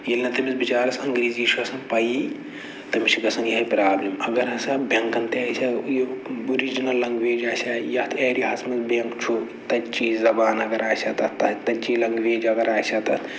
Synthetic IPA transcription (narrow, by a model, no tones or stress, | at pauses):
jilʲnɐt̪ɐmʲisbit͡ʃaːɾɐsɐŋɡɾiːziːt͡ʃʰuɐsɐnpɐji | t̪ɐmit͡ʃʰiɡɐsɐnjɐɦɐpɾaːblimɐɡɐɾɐsabɐŋkɐnt̪easʲajouɾid͡ʒinɐlːɐŋɡʋeːd͡ʒaːsʲajɐt̪ʰeːɾiɦɐsmɐzbeŋkt͡ʃʰu | t̪ɐt͡ʃiːzzɐbaːnɐɡɐɾaːsʲat̪ɐt̪ɐt̪ɐt͡ʃilɐŋɡʋeːd͡ʒɐɡɐɾaːsʲat̪ɐt̪